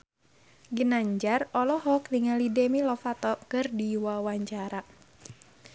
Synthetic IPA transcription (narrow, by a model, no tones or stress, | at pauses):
ɡənaɲd͡ʒarɔlɔɦɔkliŋalidɛmilɔfat̪ɔkɨrdiwawaɲt͡ʃaɾa